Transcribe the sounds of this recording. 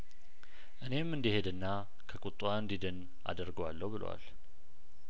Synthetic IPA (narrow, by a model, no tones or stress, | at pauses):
ʔɨne̞mːɨnd̪ihed̪ɨnːa | kʰəkʼut̪ʼːuaɨnd̪id̪ɨn | a̰d̪əɾɡowalːəwbɨlo̰wa̰l